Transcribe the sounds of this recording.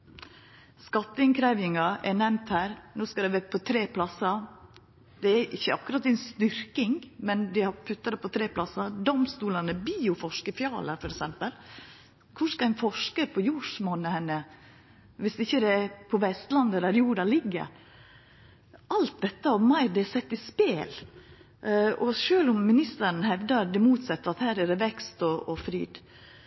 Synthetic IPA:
skɑt̪ːəɪŋkʰɾæʋɪŋɑɛnɛmt̪hæːɾnoːskɑd̪æʋɛːpʰɔt̪ʰɾeːpʰlɑsːɑ | d̪̥ɛːʔɪçːəɑkːʉɾɑːt̪ːɪɛnst̪ʏɾkɪŋmɛnd̪ɪhɑɾpʰʉt̪ːɑd̪əpʰɔt̪ʰɾeːpʰlɑsɑd̪ɔmst̪uːlɑnəbiːʊfɔʂkəfjɑ̰ːləfɔɾɛksɛmpəl | kʰʊʂkɑænfɔʂkəpʰɔjuːʂmɔnəhɛnːə | ʋɪsɪçːəd̪ɛpʰɔʋɛst̪lɑnd̪əd̪ɛɾjuːɖɑlɪɡːə̰ɾ | ʔɑlt̪̚d̪ɛt̪ːəɔmɑɪd̪ɪsɛt̪ːɪspeːl | ɔʃøːlʊmːɪnɪst̪əɾnəhɛʋd̪ɑɾd̪ɪmuːt̪sɛt̪ːəɾɑt̪hæːɾɛd̪ɛʋɛkst̪ɔɔfɾḭːd̪̥

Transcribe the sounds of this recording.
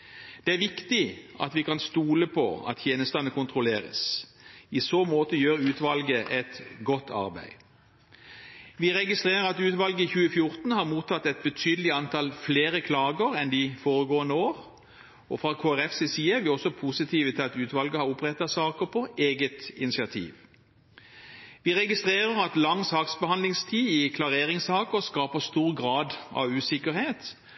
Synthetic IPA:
d̪̥ɛæɾʋɪkt̪ɪʔɑ̰t̪ʋɪkʰɑnst̪uːləpʰɔ̰ɑ̰t̪ʰːjeːnəst̪ɑnəkʰʊnt̪ʰʁʊleːʁə̰s | ɪsoːmoːt̪əjøːɾʉːt̪ʋɑlɡəʔɛt̪ɡɔt̪ʰːɑ̰ʁbæ̰ɪ | ʋɪʁɛɡɪst̪ʁeːʁəɾɑt̪ʉːt̪ʋɑlɡəɪçʉːəfjʊʁt̪n̩hɑʁmuːt̪ʰːɑt̪ːɛt̪̚bət̪ʰyːd̪əl̩ɪɑnt̪ʰɑlfleːɾəkʰlɑːɡəɾɛnd̪ɪfoːʁəɡoːənəoːʁ | ɔfʁɑkʰoːæʁɛfsɛsiːəʋɪːɔsɔpʰusɪt̪ʰiːʋət̪ʰɪlɑt̪ʉːt̪ʋɑlɡəhɑʁʊpʁɛt̪ɑsɑːkəʁpʰɔʔeːɡət̪ɪnɪsɪɑt̪ʰḭːʋ | ʋiːʁɛɡɪst̪ʁeːʁəʁɑt̪lɑŋːsɑːksbəhɑnd̪lɪŋst̪ʰiːɪkʰlɑʁeːʁɪŋsɑːkəʁskɑːpəst̪uːʁɡʁɑːd̪ɑ̰ʋʉːsɪkəʁheːt̪

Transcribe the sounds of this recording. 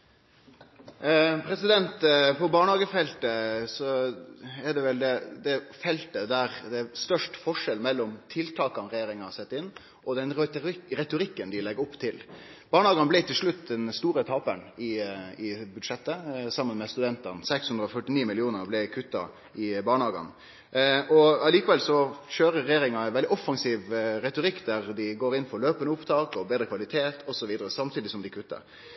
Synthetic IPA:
pʰɾɛsɪd̪ɛnt̪pʰɔbɑːɳəhɑːɡəfɛlt̪əsɔ | ɛɖ̪ɛʋɛld̪ɛd̪ɛfɛlt̪əd̪æɾd̪ɛst̪œʂʈfɔʂɛlmɛlːɔmt̪ʰɪlt̪ʰɑːkɑnɾɛjeːɾɪŋɑsɛt̪ːɪnː | ʔɔd̪ɛnɾɛt̪ʊɾɪkːənd̪ɪlɛɡʊpːt̪ʰɪlb̥ɑːɳəhɑːɡɑnəblɛɪt̪ɪlʂɭʉt̪d̪ɛnst̪uːɾət̪ʰɑːpə̰ɳɪɪbʉd̪ʂɛt̪ːəsɑmːənmɛst̪ʉd̪ɛnt̪ənsɛkshʉnd̪ɾɔfœʈːɪniːmɪlɪuːnəɾblɪkʰʉt̪ːɑ̰ | ɪbɑːɳɑːɡɑ̰n | ɔɑliːkəʋɛlsɔɕøːɾəɾɛjeːɾɪŋɑɛʋɛld̪ɪɔfːɑŋsiːʋɾɛt̪ʊɾɪkːd̪æɾd̪ɪɡoːɾɪnːfɔɾløːpənəʊpt̪ʰɑːkɔbeːd̪ɾəkʰʋɑlɪt̪ʰeːt̪ʰɔsɔʋiːd̪əɾəsɑmt̪ʰiːd̪ɪsɔmd̪ɪkʰʉt̪ːə̰ɾ

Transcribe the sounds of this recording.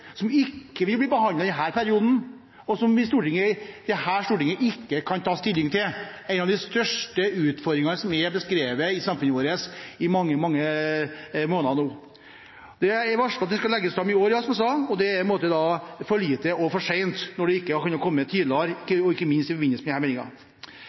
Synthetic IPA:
sɔmɪkːəʋɪlb̪liːbəɦɑnɑɪd̪ɛnɦæːɾpʰæɾɪuːd̪n̩ | ɔsɔmɪst̪uːʈɪŋːəd̪̥ɛhæːɾʂt̪uːʈɪŋəʔɪkːəkʰɑnt̪ʰɑːst̪ɪlːɪŋt̪ɪlæɪnɑʋd̪ɪst̪œʂʈəʉːt̪fɔɾd̪ɾɪŋɑsɔmɛbəskɾeːʋəɪsɑmfʉnoːɾəsɪmɑŋːəmɑŋːə | moːnɑnuː | d̪ɛɛɾʋɑʂkɑt̪d̪ɛskɑlɛɡːəst̪ɾɑmɪoːɾjɑsɔmɛsɑɔd̪ɛæpʰɛnmoːt̪əd̪ɑfɔːɭiːt̪əɔfɔʂeɪnt̪nɔɖɛɪkːəkʉnːɑɾkʰɔmːət̪ʰiːd̪lɑɾɪkːəɔɪkːəmɪnst̪ɪfɔɾʋɪnːəsmɛd̪ɪhæɾmɛːnɪŋɑ̰

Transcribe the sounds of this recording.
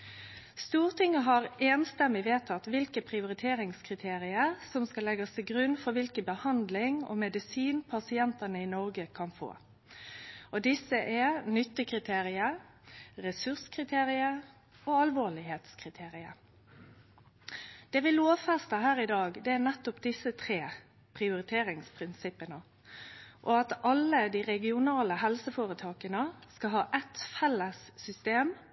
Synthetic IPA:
st̪uːʁt̪ʰɪŋːəɦɑʁeːnst̪ɛmːɪʋeːt̪ʰɑt̪ːʋɪlkəpʰʁɪʊɾɪt̪ʰeːɾɪŋskʰʁɪt̪ʰeːʁɪəʁsɔmskɑlɛɡɑst̪ʰɪɡɾʉnːfɔɾʋɪlkəbəhɑnd̪lɪŋɔ̰mɛd̪ɪsiːnpʰɑsɪɛnt̪ənəɪnɔʁɡəkʰɑnfo̰ː | ɔd̪ɪsːəʔɛnʏt̪ːəkʰʁɪt̪ʰeːʁɪə | ʁɛsʉʁskʰʁɪt̪ʰeːʁɪə | oːɑlʋoːɭɪheːt̪skʰɾɪt̪ʰeːɾɪəɾ | d̪̥ɛːʋɪloːʋfɛst̪əɦæːɾɪd̪ɑːɡd̪ɛænɛt̪ːʊpd̪ɪsːət̪ʰɾeː | pʰʁɪʊɾɪt̪ʰeːɾɪŋspʰʁɪnsɪpːənə | ʔɔɑt̪ʔɑlːəd̪iːʁɛɡɪʊnɑːləɦɛlsəfoːɾət̪ʰɑːkənəskɑɦɑːʔɛt̪fɛlːəsːʏst̪eːm

